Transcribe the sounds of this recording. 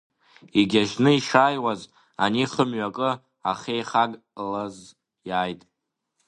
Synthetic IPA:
iɡʲaʒnɨiʂaːjwaz | a̰niχəmɥakʼɨ | aχejχaɡʼ | laz | jaːjtʼ

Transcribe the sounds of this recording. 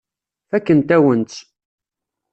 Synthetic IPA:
fækːənt̪æwənt͡s̪

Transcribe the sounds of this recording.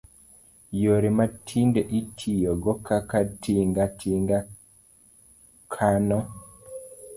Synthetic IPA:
joɾimatʰindɛʔitʰijɔɡɔkakatiŋɡatʰiŋɡa | kʰanɔ

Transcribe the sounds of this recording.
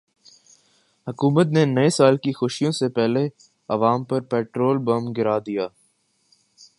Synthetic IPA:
hʊkuːmət̪nenɐesaːlkixʊʃijõsepɛɦle | ɐʋaːmpɐɾpɛːʈɾoːlbɐmɡɪɾaːd̪ijaː

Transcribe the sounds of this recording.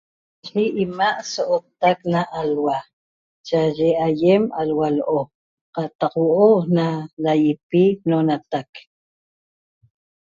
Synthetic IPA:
ʃiʔimaʔsoʔot̪aknaʔalwa | t͡ʃaʒeajemalwaloʔo | qɑt̪ɑqwoʔonalajipinonat̪ak

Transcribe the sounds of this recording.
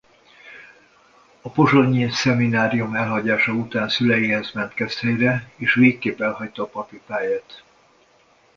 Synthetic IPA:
ɒpo̞ʒoɲisɛminaːɾijumɛlɦɒɟaːʃɒut̪aːnsylɛjiːɦɛzmɛnt̪kɛst̪hɛjrɛeːʃveːkːeːpɛlɦɒct̪ɒːpɒpipaːjaːt̪

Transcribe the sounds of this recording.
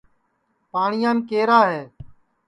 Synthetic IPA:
paːɳɪjãːnkeːɾaːɦeː

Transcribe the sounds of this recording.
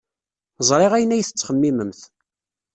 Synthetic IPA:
zˤɾˤeʁæjənːæjθət͡sːχəmːiməmθ

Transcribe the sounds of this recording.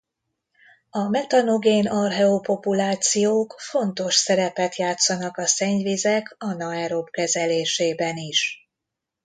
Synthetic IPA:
ɒmɛt̪ɒno̞ɡeːnɒrɦɛopo̞pulaːt̪sijoːkfo̞nt̪o̞ʃsɛɾɛpɛt̪jaːt̪sɒnɒkɒsɛɲvizɛkɒnɒɛɾo̞bkɛzɛleːʃeːbɛniʃ

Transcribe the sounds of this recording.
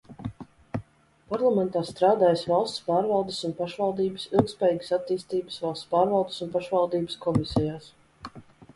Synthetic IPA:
paɾlˠamɛnt̪aːst̪ɾaːd̪aːjəsvalˠst̪spaːɾvalˠd̪esunpaʃvɑlˠd̪iːbəsilˠk̚t̪spɛːjiːɡə̥sat̪ːiːst̪iːbəsvalˠst̪spaːɾvalˠd̪e̥sunpaʃvalˠd̪iːbəskɔmisʲɛjaːs

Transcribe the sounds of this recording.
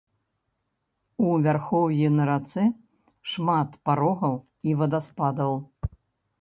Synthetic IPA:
uvʲarxɔwjɛnɐɾat̪sɨ | ʂmat̪paɾɔɣɐw | ivɐd̪aspad̪ɐw

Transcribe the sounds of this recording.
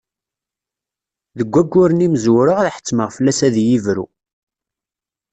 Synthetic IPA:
ðəɡʷːæɡʷːʊɾənimzwɾəʁðħə̥t͡sːməʁfəlːæsæðjivɾṵ

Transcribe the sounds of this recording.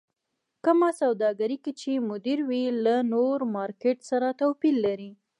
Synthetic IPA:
kəmasawd̪ɑɡaɾikit͡ʃemʊd̪iɾwilanoɾmɑɾkeʈsaɾat̪awpilːaɾi

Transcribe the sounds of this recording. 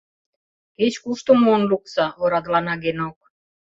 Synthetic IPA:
ket͡ɕkuʃt̪ŏmonluk̚sɑoɾɑd̪lɑnɑɡenok̚

